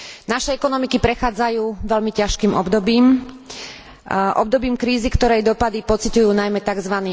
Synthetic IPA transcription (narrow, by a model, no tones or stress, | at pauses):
naʃɛɛkɔnɔmikipɾɛxaːd͡zajuːʋɛlmicaʃkiːmɔbd̪ɔbiːm | ʔɔb̚d̪ɔbiːmkɾiːzikt̪ɔɾɛjd̪ɔpad̪ipɔt͡sicujuːnajmɛt̪aɡzʋaniː